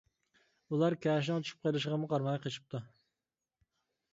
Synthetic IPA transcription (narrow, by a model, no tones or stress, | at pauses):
ulˠɑɾkʲɛːʃ̬nɨŋt̪t͡ʃʰy̥ʃʰy̥p̚qʰeɾɨʃ̬əʁəmʊqʰɑɾmɑjqʰeʃʰɨ̥p̚t̪ʰu